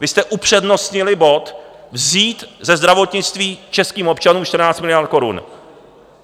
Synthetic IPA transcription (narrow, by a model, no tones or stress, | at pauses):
vɪst̪ɛʔupr̝̥ɛdno̞st̪ɲɪlɪbo̞t̪ | vziːt̪zɛzd̪ɾavo̞t̪ɲɪt͡st̪viːt͡ʃɛskiːmo̞pt͡ʃanuːmʃt̪r̩naːt͡st̪mɪlɪjaɾt̪̚ko̞ɾṵn